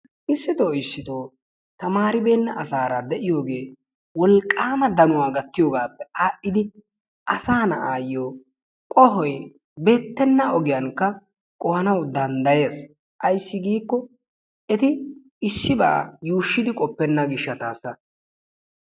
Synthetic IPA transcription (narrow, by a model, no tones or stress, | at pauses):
ʔɪsːɪt̪oːɪsːɪt̪o̞ː | t̪ɐmaːɾɪbe̞ːnːɐʔɐsaːɾad̪ɛʔɪjo̞ːɡe̞ː | wɔlkʼːaːmɐd̪ɐnʊwaːɡɐt̪ːɪjoːɡaːpːɛaːʔːɪd̪ɪ | ʔɐsaːnɐ̰ʔaːjːoː | kʼɔɦɔj | be̞ːt̪ːɛnːɐɔɡɪjɐŋkːɐ | kʼɔhɐnɐwd̪ɐnd̪ɐje̞ːs | ʔɐjsːɪɡiːkːɔ | ɛt̪ɪ | ɪsːɪba̰ːjuːʃːɪd̪ɪkʼɔpːɛnːɐɡɪʃːɐt̪aːsɐ